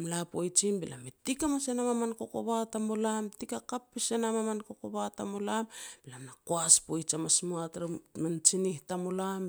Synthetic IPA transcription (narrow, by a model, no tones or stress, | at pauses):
mlapo̞jt͡ʃinbila̰metikamasenamamanko̞ko̞βatamolamtikakapːisenamamanko̞koβatamolambilamnakoaspo̞jt͡ʃamasmuatɾament͡ʃinihtamolam